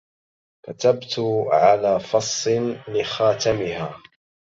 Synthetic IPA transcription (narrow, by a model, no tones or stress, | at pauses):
kat̪abt̪ʊʕalaːfɑsˤːnlɪxaːt̪amɪhaː